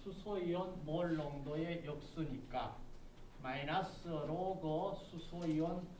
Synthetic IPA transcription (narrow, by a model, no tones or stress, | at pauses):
sʰusʰoiwʌnmoɭːʌŋdoe̞jʌk̚s͈uɲik͈a | mainas͈ɯʌɾoɡʌsʰusʰoiwʌn